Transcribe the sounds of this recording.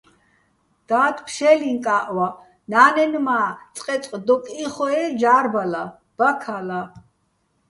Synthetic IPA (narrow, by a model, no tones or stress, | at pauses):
d̪̥aːt̪ʰpʰʃɛliŋkʼaʔwa | naːnɛnmaːt͡sʼqʼɛt͡sʼqʼd̪ɔkʼiχɔɛd͡ʒaːɾbala | b̥akʰala